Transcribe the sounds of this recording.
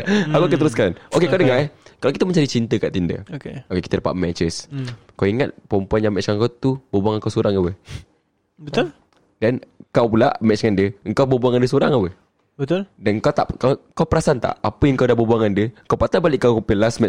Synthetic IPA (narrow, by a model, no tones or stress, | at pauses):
akoʔkət̪əɾuskanokekawdəŋakalawkit̪əməɲd͡ʒadit͡ʃint̪əkaʔt̪ində̰keokekit̪ədəpa̰ʔmɛt͡ʃəs | kawiŋat̪̚pɔmpuanɲjaŋmɛt͡ʃkankawt̪ubəbuaŋəŋkawsoɾaŋawəh | bət̪ʊl | dɛnkawpula̰ʔmɛt͡ʃŋandiəəŋkawbəbuaŋandəsoɾaŋawə | bət̪ʊldankawt̪a̰ʔkakawpəɾasant̪a̰ʔapəjaŋəŋkawdahbəbuaŋandiəəkawpat̪aʔbalɪʔkːawkumpəlasmɛt͡ʃ